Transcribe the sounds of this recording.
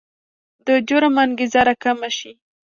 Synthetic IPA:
d̪əd͡ʒoɾamanɡizaɾakamaʃi

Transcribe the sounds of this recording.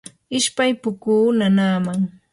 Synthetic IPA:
ɪʃpajpʊkuːnanaːmaŋ

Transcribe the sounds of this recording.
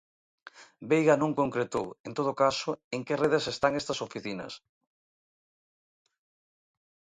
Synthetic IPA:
bejɣanõŋkoŋkɾet̪o̰went̪oð̞okasoeŋkereðesest̪aŋest̪ɐsofiθinɐ̰s

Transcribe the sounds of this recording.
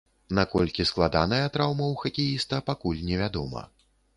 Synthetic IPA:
nakɔlʲkʲisklˠad̪anɐjɐt̪ɾawmɐwxɐkʲijist̪ɐpakulʲnʲɛvʲad̪ɔ̰mɐ̰

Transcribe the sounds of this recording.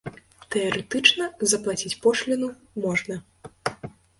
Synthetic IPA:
t̪ɛɐɾɛt̪ɨt͡ʂnɐzɐplˠat͡sʲit͡sʲpɔʂlʲinu | mɔʐnɐ

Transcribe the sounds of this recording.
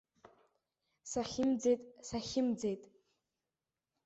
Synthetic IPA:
saχʲɪmd͡zejtʼsaχʲɪmd͡zejtʼ

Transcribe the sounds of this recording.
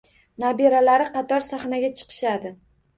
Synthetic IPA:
nabeɾalaɾɪqɑt̪ɒɾsaχnaɡʲat͡ʃʰɨ̥qʰɨ̥ʃad̪ɪ

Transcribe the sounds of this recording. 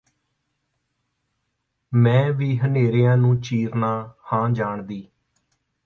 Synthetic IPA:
mɛ̃ːʋiːɦəneːɾejãːnũːt͡ʃiːɾnaːhãːd͡ʒaːɳd̪iː

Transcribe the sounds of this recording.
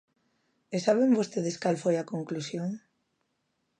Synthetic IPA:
esaβeŋbost̪eðɪskalfojakoŋklusjoŋ

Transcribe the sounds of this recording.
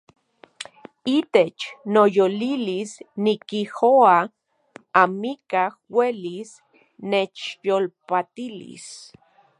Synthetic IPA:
it̪et͡ʃnojolilisnikihoa | amikahwelis | net͡ʃjolpat̪ilḭs

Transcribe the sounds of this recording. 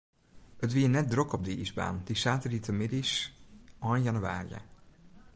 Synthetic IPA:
ətʋiːnɛt̚drøkɔb̚diʔizba̰ːnd̥isaːtəritəmɪdis | ɔnjɑnyʋa̰ːrḭjə̰

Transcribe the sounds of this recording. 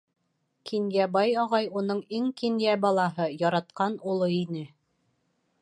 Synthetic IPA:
kʰinjæbɑjɑʁɑjunɤɴiŋkinjæbɑlˠɑɦɤjɒɾɑt̪̚qɑnulˠɤinɘ

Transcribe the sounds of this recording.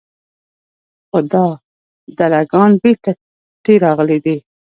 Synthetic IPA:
xod̪ɑ | d̪alaɡɑnbeɾt̪a | t̪eɾɑɣəlid̪i

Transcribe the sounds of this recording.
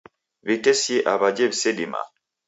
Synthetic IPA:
βitesieʔaβad͡ʒeβisedima̰

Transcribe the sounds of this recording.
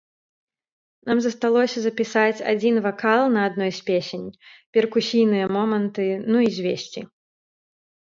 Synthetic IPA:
namzɐst̪alˠɔsʲɐzɐpʲisat͡sʲa̰d͡zʲinvakalˠnɐːd̪nɔjsʲpʲesʲenʲpʲɛrkusʲijnɨjɐmɔmɐnt̪ɨnuizʲvʲesʲt͡sʲi

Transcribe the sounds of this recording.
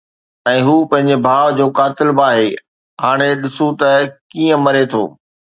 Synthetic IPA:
ɛ̃ːɦuːpɐ̃ɦɪ̃ɲ̆d͡ʑebʱaːʋd͡ʑoːkaːt̪ɪlbaːɦeː | ɦaːɽ̃eɗɪsũt̪ɐkiːə̃mɐɾet̪ʰo̰ː

